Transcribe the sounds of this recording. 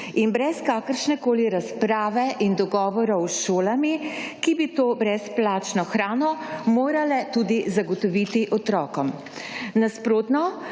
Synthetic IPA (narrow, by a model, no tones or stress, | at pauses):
inbɾɛskaːkəɾʃnɛkoːliɾaspɾaːʋɛʔind̪ɔɡɔːʋɔɾɔwʃoːlamikibit̪oːbɾɛsplaːt͡ʃnɔxɾaːnɔmoːɾalɛt̪ud̪izaɡɔt̪ɔʋit̪iʔɔt̪ɾɔːkɔm | naspɾoːt̪nɔ